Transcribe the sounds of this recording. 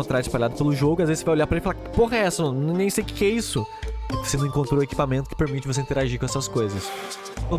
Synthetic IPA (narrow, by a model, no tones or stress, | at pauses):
õnt̪ɾaɾɪspaʎad̪ʊpelʊʒoɡʊiazezɪsevajolʎaɾpɾɐelɪfalapoɦɐɛsɐnɐ̃ñnẽj̃sejʊkɪ̥kɛisʊ | sɪ̃nɐ̃w̃ĩkõnt̪ɾoweki̥pamẽnt̪ʊkɪ̥peɾmit͡ʃɪvos̬eĩt̪eɾaʒiɾkõɛsɐskojzɐs | ɐ̃